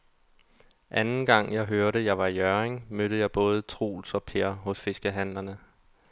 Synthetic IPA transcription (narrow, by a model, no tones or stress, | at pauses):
ʔænn̩ɡ̥ɑ̈ŋ̰jɑ̈ɪɦøɐɾəjɑ̈ɪʋɑ̈ijœɐeŋmøɾ̥əjɑ̈ɪb̥ɔ̽ːð̞ˠət͡sʰʁṵːlsɒ̽pʰeɐ̰ɦɔ̽sfe̝sɡ̥əɦænlɐnə